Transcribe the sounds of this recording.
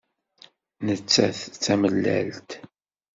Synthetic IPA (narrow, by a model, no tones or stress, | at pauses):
nət͡sːæθt͡sːæməlːæ̰lt̪